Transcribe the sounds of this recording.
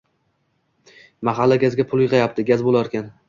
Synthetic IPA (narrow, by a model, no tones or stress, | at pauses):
maɦalːaɡʲazɡʲapʰʊlˠjɨqʰɑjapt̪ʰɪɡʲazbolˠaɒɾkʲan